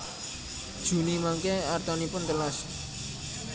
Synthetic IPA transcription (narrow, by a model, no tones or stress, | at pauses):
d̥ʒ̥ṳnimaŋkeart̪ɔnipʊnt̪əlas